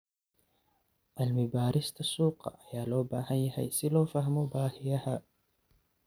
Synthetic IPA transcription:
ʔɐlmʊbaːɾɪst̪ʰɐsuːqɑ̰ʔɐjaːlɔːbaːɦɐnjɐɦɛ̰jsɪlɔːfɐhmɔbaːhɪjɐhɐ

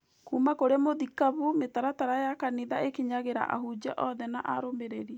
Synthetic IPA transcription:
kuːmakoɾemoðikaβumetaɾataɾajakaniðaekeɲaɣeɾa̰ʔa̰ɦud͡ʑaʔɔðɛnaʔaɾomeɾeɾiɛ

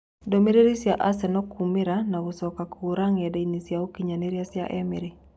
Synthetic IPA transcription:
domiɾeɾisjaʔasɛnɔkʰumɪɾanausɔkakʰuɾaŋɛdɛinisjaokiɲaneɾjasja̰ʔɛmiɾi

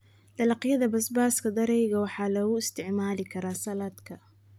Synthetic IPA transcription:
d̪̥ɐlɑqjɐðɐbɐsbaːskʰɐd̪ɐɾɛjɣɐwɑħɑːlɔɣʊɪst̪ʰɪʕmaːlɪkʰɐɾaːsɐlaːd̪kʰɐ

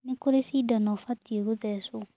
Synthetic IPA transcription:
nekoɾesiːdanɔfatieɣoðɛso

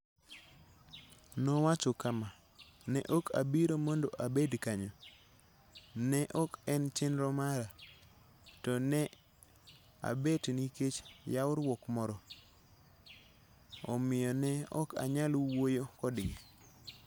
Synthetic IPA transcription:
nɔwat͡ʃokama | nɛʔɔkʰa̰biɾomɔndoʔabedkaɲo | nɛʔɔkɛnt͡ʃɪnɾɔmaɾa | tɔnɛ | a̰betniket͡ʃjaʊɾwɔkmɔɾɔ | ɔmɪjɔnɛɔ̰kʰa̰ɲalwojokɔdɪŋ

